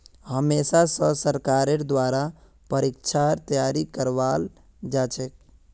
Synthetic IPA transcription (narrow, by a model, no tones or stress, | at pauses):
həmeːsasəsəɾkaːɾeɾd̪waːɾa | pəɾikt͡ʃʰaɾt̪əjaːɾikəɾʋal | d͡ʒaːt͡ʃʰɛk̚